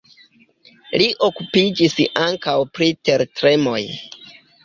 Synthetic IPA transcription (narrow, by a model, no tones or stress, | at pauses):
liʔo̞kupid͡ʒisaŋkawpɾite̞ɾtɾe̞mo̞j